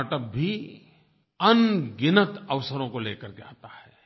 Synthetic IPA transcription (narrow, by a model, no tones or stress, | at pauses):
ʈəp̚bʱi | ɐnɡɪnət̪ɐʋsəɾõkoleːkəɾd͡ʒa̰ːt̪ahɛː